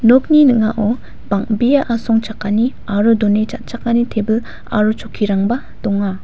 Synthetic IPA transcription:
nɔk̚ninɯŋaʔɔ | baŋbijaʔasɔŋt͡ʃakani | aɾudɔnet͡ʃat̚t͡ʃakanitʰebɯl | a̰ɾut͡ʃʰokʰiɾaŋba | d̥ɔŋa

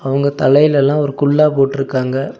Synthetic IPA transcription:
ɐʋɐŋɡɐt̪ɐlɐjɪlɛlːãːɔɾɯkʊɭːaːpoːʈːɪɾɯkːaːŋɡɐ

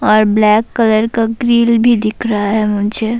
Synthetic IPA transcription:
ɔːɾblɛːkːələɾkaɡɾiːlbʱid̪ɪkʰɾaɦaɦɛmʊ̃nt͡ʃe

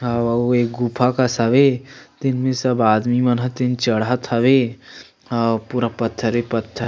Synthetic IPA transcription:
ɐʋoek̚ɡupʰakasaʋet̪ɪnmẽsɐbaːd̪mimɐnɦət̪ɪnt͡ʃəɽat̪ʰəʋe | puɾapət̪ʰːəɾepət̪ʰːəɾ

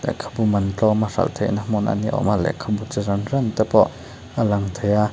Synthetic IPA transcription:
lɛ̰kʰḁbumɐnt͡ɬɔmɐrɐ̰lt̪ʰejnɐmɔna̰nḭʔɔ̰malɛ̰kʰabut͡səɾɐnrant̪ɐpɔ | əlɐŋt̪ʰeja

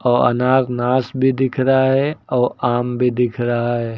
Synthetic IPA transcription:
ɔːɾɐ̰naːznaːsbʱid̪ɪkʰɾaaɦɛɔːɾaːmbʱid̪ɪkʰɾɐɦaɦɛː

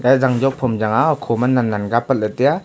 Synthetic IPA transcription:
azaŋd͡ʒɔk̚pʰɔmd͡ʒaŋakʰɔmanːanːanɡapəlɯtija

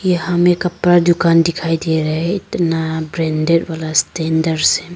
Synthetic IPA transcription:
ihamɛkɐpɾadukandikʰajd̪iɛɾaɦɛit̪nabɾɛnded̚walastɛndəɾsɛ

